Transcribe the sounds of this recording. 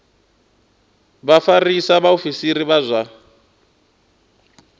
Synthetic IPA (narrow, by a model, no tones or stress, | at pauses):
βafarisaβaofisiɾiβazʷa